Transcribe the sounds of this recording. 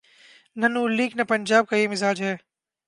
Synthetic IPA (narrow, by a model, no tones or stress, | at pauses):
nɐnuːlːiːknɐpənʲd͡ʒaːb̚kaiːmɪzaːd͡ʒɦɛː